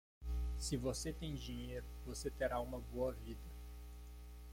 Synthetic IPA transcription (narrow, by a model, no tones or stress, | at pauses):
sɪvoset̪ẽj̃d͡ʒiɲejɾʊvoset̪eɾaũmɐboɐvid̪ɐ